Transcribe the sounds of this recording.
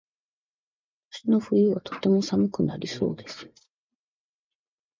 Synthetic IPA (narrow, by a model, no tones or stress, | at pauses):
ɕino̞ɸɯ̟iβat̪o̞̥t̪ːe̞mo̞samɯ̟kɯ̟na̰ɾʲʔiso̞ːd̪e̞sɨ̥